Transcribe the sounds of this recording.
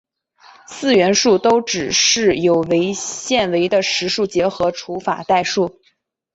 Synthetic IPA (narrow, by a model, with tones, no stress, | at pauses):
sɹ̩˥˩ɥɛ˧˥nʂu˥˩t̪o˥ʊʈ͡ʂɻ̩˨˩ʂɻ̩˥˩jo˨˩ʊwe˧˥ɪɕjɛ˥˩nwe˧˥ɪd̪ə˧ʂɻ̩˧˥ʂu˥˩t͡ɕjɛ˧˥xɤ˧˥ʈ͡ʂʰu˧˥fa̰˨˩t̪a˥˧ɪʂu˥˩